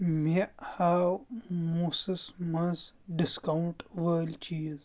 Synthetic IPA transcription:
mihaːwmusɨsmɐnsɖiskawɳʈʋəːlt͡ʃiːz

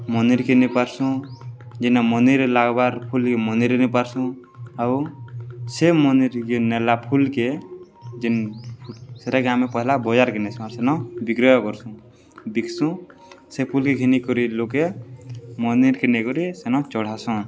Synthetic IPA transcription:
mɔniɾkenepaɾsũd͡ʒinamɔniɾlaɡbaɾpʰulkemɔniɾnipaɾsũ | au | semɔniɾkonɛlapʰulke | d͡ʒinpʰuseɾakamepɔɦilabɔd͡ʒaɾkenɛsɔ̃aɾsenɔ̃bikɾɔjɔkɔɾsũ | bikʰsũ | sepʰulkekʰinikɔɾiloke | mɔniɾkenekɔɾisenɔ̃t͡ʃɔɽ̤asɔ̃

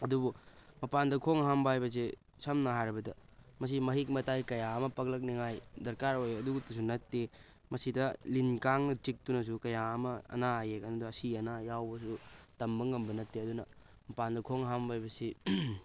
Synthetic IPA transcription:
ɐdubumɐpandɐkʰoŋɦambaajbɐs̬i | sɐmnɐɦajɾɐbɐdɐmɐs̬imɐɦik̚mɐtajkɐjaɐmɐpɐk̚lɐk̚niŋajdɐɾkaɾojɐduɡutɐs̬unɐtːe | mɐsidɐlinkaŋnɐt͡ʃik̚tunɐs̬ukɐjaɐmɐɐ̰naːjekɐnuduɐsiɐnajawbɐsutɐmbɐŋɐmbɐnɐtːeɐdunɐ | mɐpandɐkʰoŋɦambajbɐsi

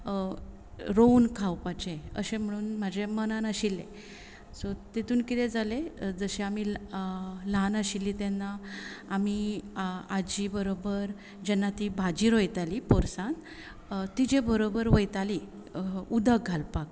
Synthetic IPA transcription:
ɾownkʰawpat͡ɕeə̰ɕẽm̤əɽ̃uːnm̤ad͡ʑʱemənanəɕilːḛ̃ | sot̪it̪uːnkit̪ɛd͡zaled͡zəɕeami | lanəɕilːit̪ɛnːaːmi | ad͡ʑibəɾobəɾ | d͡ʑɛnːat̪ibʱad͡ʑiːɾojt̪alipɔɾsãn | t̪id͡ʑebəɾobəɾʋəjt̪ali | ud̪ʱəɡʱalpak̚

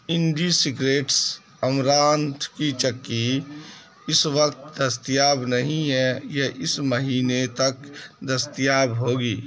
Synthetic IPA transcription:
ɪɳɖisɪɡɾeːʈs | əmɾaːnt̪ʰkit͡ʃəkːi | ɪsʋəkt̪d̪əst̪ijaːbnəɦĩɦɛjeʔɪsməɦiːnet̪ɐkd̪ɐst̪jaːbɦoːɡiː

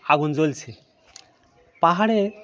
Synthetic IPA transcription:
aɡund͡ʑolt͡ɕʰi | paɦaɽe

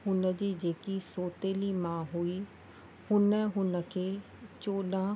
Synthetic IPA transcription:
ɦʊnd͡ʒiːd͡ʒeːkisoːt̪eːliːmãːɦui | hʊnəɦʊnəkʰeː | t͡ʃoːɗãː

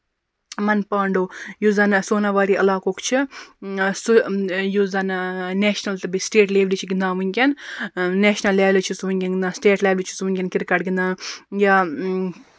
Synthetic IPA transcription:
mɐnpaːɳɖoːjuzɐnsoːnaʋaːɾiːʔɐlaːkoːkt͡ʃʰɨ | sujuzɐnneːʃnɐlt̪ɨbisʈeːʈleːʋlit͡ʃʰiɡind̪ãːʋunʲkʲɐnneːʃnɐlːɛːʋlit͡ʃʰisʋunʲkʲɐnɡind̪ãːsʈeːʈlʲeːʋlit͡ʃʰi̥sʋuŋkʲɐnkiɾkɐʈɡind̪ãːjaː

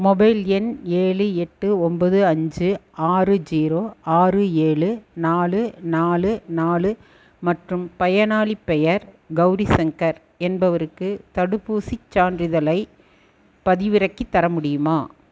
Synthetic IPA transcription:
mɔbɐɪlɛneːɭɯɛʈːɯɔmbɐðɯɐɲd͡ʒɯʔaːrɯd͡ʒiːɾoːaːrɯeːɭɯnaːlɯnaːlɯnaːlɯ | mɐʈrɯmpɐjɐnaːɭipːɛjɐɾ | ɡɐʊɾisɛŋkɐɾ | ɛnbɐʋɐɾɯkːɯt̪ɐɽɯpːuːsit͡ʃːaːndɾɪðɐlɐɪ | pɐðɪʋɪɾɐkːit̪ːɐɾɐmʊɽɪjɯmaː

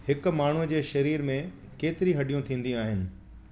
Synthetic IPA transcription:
hɪkʊ̆maːɳ̤ud͡ʑeːʃɐɾiːɾmẽ | keːt̪ɪɾiɦɐɖijũt̪ʰĩːn̆d̪ĩaːɦɪnɪ̆

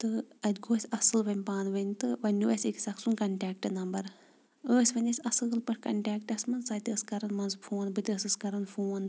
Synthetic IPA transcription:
t̪ɨɐd̪ʲɡoːsʲɐsɨlʋɐnʲpaːnʋɐnʲt̪ɨʋɐnʲːuʋɐsʲiksʲɐksunkɐɳʈʲaːk̚ʈɨnɐmbɐɾ | əːsʲʋɐnʲɐsʲɐsɨːlpɐʈʰʲkɐ̰ɳʈʲaːkʈɐsmɐnsɐːt̪ʲəskɐɾɐnmɐnzfʰoːnbɨt̪ʲəːsɨskɐɾɐnfoːn

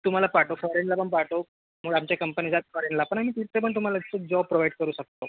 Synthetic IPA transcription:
t̪um̤alapaʈofɔɾenlapəɳpaʈo | məɡɭamt͡ɕjakəmpənid͡zʱat̪̚fɔɾenlapəɳ̃am̤iːt̪iɾt̪epəɳt̪um̤alat̪it͡səd͡ʑɔb̚pɾoʋaiɖkəɾuːɕək̚t̪o

